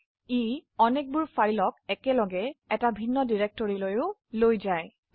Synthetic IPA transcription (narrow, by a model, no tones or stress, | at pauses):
iɔnek̚buɹfaɹilɔk̚ɛkɛlɔɡɛɛtabʱinːɔdiɹɛk̚tɔɹilojʊlojzaj